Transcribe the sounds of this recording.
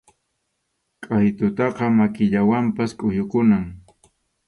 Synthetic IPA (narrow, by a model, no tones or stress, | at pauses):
kʼajt̪ʊt̪ɑqɑmakɪʎawampaskʼʊjʊkʊnaŋ